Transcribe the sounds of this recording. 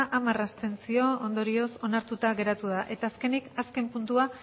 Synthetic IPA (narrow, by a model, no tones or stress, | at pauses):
ʔamarast̪e̞nsio̞ond̪o̞ɾio̞so̞naɾt̪ut̪aɣe̞ɾat̪uð̞aʔe̞t̪aːske̞nikaske̞mpunt̪ua